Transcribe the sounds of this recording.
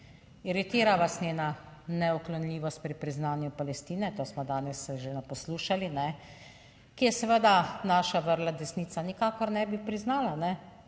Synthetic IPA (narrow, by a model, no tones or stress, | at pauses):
iɾit̪iːɾaʋasnʲeːnanɛɔklɔnlʲiːʋɔst̪̚pɾipɾiznaːnjupalɛst̪iːnɛt̪oːsmɔd̪aːnɛsːɛʒenɛpɔsluːʃalinɛ | kijɛsɛʋəd̪anaːʃaʋəɾlad̪ɛsniːt̪sanikaːkɔɾnɛbipɾiznaːlanɛ